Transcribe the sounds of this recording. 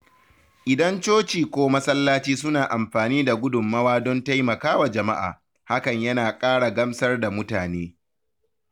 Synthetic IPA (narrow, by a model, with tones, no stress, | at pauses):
ʔɪ˨dɐ˦nt͡ʃoː˦t͡ʃiː˨kʷoː˦mɐ˦sɐ˦lːaː˦t͡ʃiː˦s̬ʊ˦naː˨ʔa˨mɸaː˨niː˦da˨ɡʷʊ˦dʊ˨mːɐ˦waː˦dɔ˦nta˦jmɐ˨kaː˦wa˨d͡ʒɐ˨ma˦ʔa̰ː˨ | ha˦kɐ˨ɲjɐ˦naː˨kʼaː˦ɽa˨ɡɐ˦msɐ˦rda˨mʊ˦taː˨neː˦